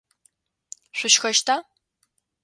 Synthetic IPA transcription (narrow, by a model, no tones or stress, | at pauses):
ɕʷʊʃxɐʃtʰaː